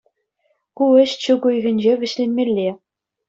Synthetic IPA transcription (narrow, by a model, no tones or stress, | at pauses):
kuɘ̆ɕt͡ɕɘ̆ɡujɣʲɘ̆nʲd͡ʑeʋʲɘ̆ɕlʲenʲmʲelʲːe